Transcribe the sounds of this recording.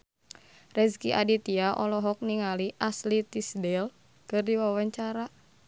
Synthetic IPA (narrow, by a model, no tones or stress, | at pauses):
rɛskiʔa̰dit̪iaʔɔlɔɦɔk̚niŋaliʔaslit̪isdɛl | kɨrdiwawaɲt͡ʃaɾa